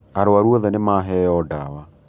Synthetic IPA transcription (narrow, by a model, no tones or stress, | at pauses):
aɾoaɾwɔðɛnemaɦɛjɔdawa